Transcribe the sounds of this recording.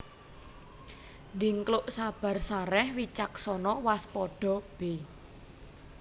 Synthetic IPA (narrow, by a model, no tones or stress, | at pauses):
ndiŋklʊʔsab̥a̤rsaɾɛhwit͡ʃaksɔnɔwaspɔɖ̥ɔ̤b̥e